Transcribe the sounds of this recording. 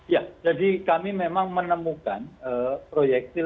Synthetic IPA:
jad͡ʒadikamimemaŋmənəmukanəpɾojɛk̚t̪i

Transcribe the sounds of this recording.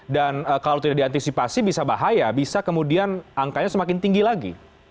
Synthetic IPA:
danəːkalawt̪idaʔ̚diant̪isipasibisabaɦajabisakəmudianaŋkaɲasəmakɪnt̪iŋɡilaɡḭ

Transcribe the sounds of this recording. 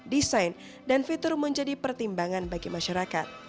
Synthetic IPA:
disajn | danfit̪ʊrməɲd͡ʒadipərt̪imbaŋanbaɡimaʃaɾakat̪̚

